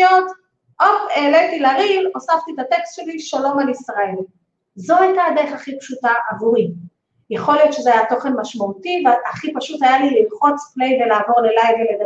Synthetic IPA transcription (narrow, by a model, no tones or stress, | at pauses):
ot | ʔofeːletilaʁilosaft̪it̪ate̞kst̪ʃe̞liʃalo̞malisʁael | zo̞ajtaːd̪eʁeχaχipʃutaʔavuʁi | jaχo̞lijo̞t̪ʃezeajato̞χe̞nmaʃmautiveaχipaʃutajalililχo̞t͡sple̞jve̞laːvo̞ʁle̞lajvelede